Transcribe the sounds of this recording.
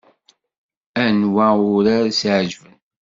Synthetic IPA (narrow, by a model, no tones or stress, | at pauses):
ænwæʊɾaɾsʕʒvən